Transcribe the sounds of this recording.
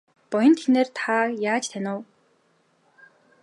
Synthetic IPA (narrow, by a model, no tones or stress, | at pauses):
pɔjɞ̆nt̪ʰeneːrt̪ʰajaːt͡ɕt̪ʰænʊː